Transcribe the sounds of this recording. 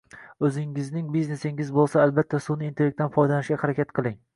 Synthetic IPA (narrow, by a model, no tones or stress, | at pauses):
ɵzɪŋɪznɪŋbizne̞sɪŋɪzbolˠsaːlbat̪ʰːasʊnɪːnt̪ʰeek̚t̪ʰːanfɒjd̪anɪʃɡʲahaɾakʲʰat̪qʰɨlˠɪŋ